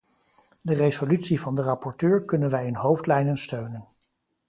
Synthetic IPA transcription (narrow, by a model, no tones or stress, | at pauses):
dərezolytsivɑndərɑpɔɹtøːɹkɵnənʋɛjənɦowftlɛjnənstøɥnən